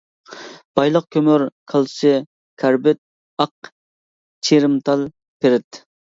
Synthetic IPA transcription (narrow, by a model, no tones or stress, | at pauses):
b̥ɑjlˠəq̚kʲʰømøɾkʰɑlˠsɨ | kʲʰæɾbɪt̪̚ | ɑq | t͡ʃʰeɾɨmt̪ʰɑlˠ | pʰeɾɪt̪